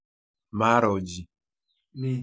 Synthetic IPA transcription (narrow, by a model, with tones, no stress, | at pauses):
ma˦ɾɔ˨d͡ʒi˨ | mi˨